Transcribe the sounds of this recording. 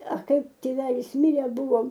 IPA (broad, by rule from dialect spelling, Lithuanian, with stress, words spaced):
ɐ ˈkɐɪp tʲeːˈʋʲæːlʲɪs ˈmʲɪrʲeː ˈbʊʋoːm